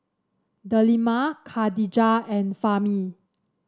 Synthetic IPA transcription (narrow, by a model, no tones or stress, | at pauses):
dəlimakʰadid͡ʒaɛ̃nfami